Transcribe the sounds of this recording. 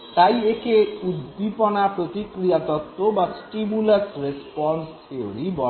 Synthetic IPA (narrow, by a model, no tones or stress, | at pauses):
t̪ajekʰeud̪ːipɔnapɾot̪ikɾijat̪ɔt̪ːobasʈimulaɾsɾespɔnst̪ʰeo̰ɾibɔ